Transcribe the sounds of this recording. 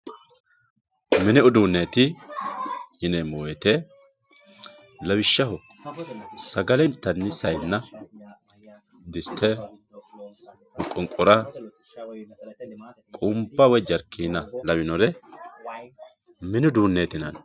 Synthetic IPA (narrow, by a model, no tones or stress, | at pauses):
mɪnɛʊd̪uːnːeːt̪ɪ | hɪnɛmɔwet̪e | lɐwɪʃːɐhɔ | sɐɡɐlɛnt̪ːɐnːɪsɐjnːɐ | d̪ɪst̪ʰːɛ | mʊkʼːʊŋkʼʊɾɐ | kʼʊmbɐwɔjd͡ʒɐɾkːiːnɐlɐwɪnɔɾɛ | mɪnʊd̪uːnːeːt̪ɪnɐ̰n